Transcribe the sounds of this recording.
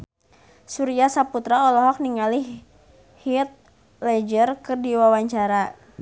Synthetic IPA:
suɾiasaput̪ɾaɔlɔɦɔk̚niŋali | hit̪̚ | lɛd͡ʒərkɨrdiwawaɲt͡ʃaɾa

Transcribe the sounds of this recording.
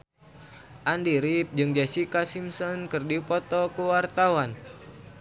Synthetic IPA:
ʔandiɾip̚d͡ʒɨŋd͡ʒasikasimsɔnkɨrdipɔt̪ɔkuwart̪awan

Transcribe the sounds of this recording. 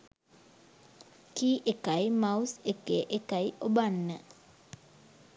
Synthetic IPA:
kiʔekajmawsekeʔekajobanːə

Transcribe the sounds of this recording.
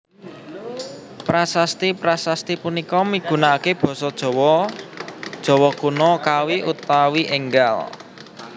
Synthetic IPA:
pɾasast̪ipɾasast̪ipunikɔmiɡ̥ṳnakeb̥ɔ̤sɔd̥ʒ̥ɔ̤wɔ | d̥ʒ̥ɔ̤wɔkunɔkawiʔut̪awiʔeŋɡal

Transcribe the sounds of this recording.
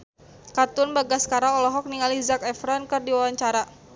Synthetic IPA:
kat̪ʊnbaɡaskaɾaɔlɔɦɔk̚niŋalizakɛfɾɔnkɨrdiwawaɲt͡ʃaɾa

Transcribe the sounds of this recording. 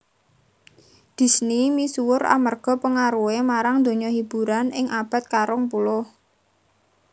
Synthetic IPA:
d̪̥i̤snimisuwʊɾa̰mərɡ̥ɔ̤pəŋaɾuwemaɾaŋd̪o̤ɲɔɦib̥ṳɾanɪŋab̥a̤t̪̚kaɾʊŋpulʊh

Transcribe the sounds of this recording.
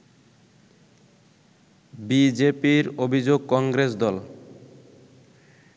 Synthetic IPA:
bid͡ʑepiɾobʱid͡ʑoɡ̚kɔŋɡɾesd̪ɔl

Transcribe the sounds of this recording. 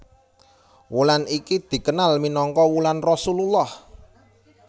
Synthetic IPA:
wulanikid̪̥i̤kənalminɔŋkɔwulanrɔsululːɔh

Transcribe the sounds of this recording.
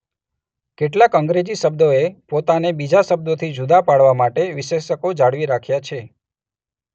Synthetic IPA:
keʈlakəŋɡɾed͡ʒisəb̚d̪oepot̪anebid͡ʒasəb̚d̪ot̪ʰid͡ʒud̪apaɽʋamaʈeʋɪʃeʃəkod͡ʒaɽʋiɾakʰjat͡ʃʰe

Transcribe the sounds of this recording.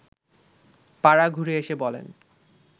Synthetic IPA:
paɾaɡʱuɾeeʃebɔlḛn

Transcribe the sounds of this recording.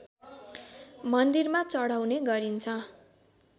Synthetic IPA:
mʌnd̪irmat͡sʌɽawneɡʌɾint͡sʰʌ

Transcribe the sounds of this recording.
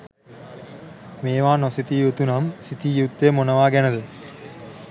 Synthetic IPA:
meːʋaːnosit̪ijut̪unamsit̪ijut̪ːemonɐʋaːɡɛnɐd̪ə

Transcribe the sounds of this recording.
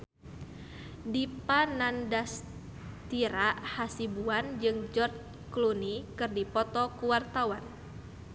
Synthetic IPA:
dipanandas | t̪iɾahasibuand͡ʒɨŋd͡ʒɔrt͡ʃ | klunikɨrdipɔt̪ɔkuwart̪awan

